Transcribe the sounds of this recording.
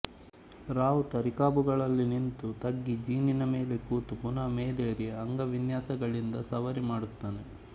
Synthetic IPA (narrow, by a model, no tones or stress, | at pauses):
ɾaːʋut̪ɐɾikaːbuɡɐɭɐlːinint̪ut̪ɐɡːid͡ʒiːninɐmeːle̞kuːt̪upunɐmeːleːɾijeɐŋɡɐʋinjaːsɐɡɐɭind̪ɐsɐʋɐɾimaːɽut̪ːaːne